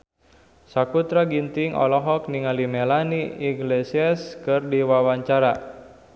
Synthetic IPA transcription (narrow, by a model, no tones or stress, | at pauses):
sakut̪ɾaɡint̪iŋʔɔ̰lɔɦɔk̚niŋalimelaniːɡlesiaskɨrdiwawaɲt͡ʃaɾa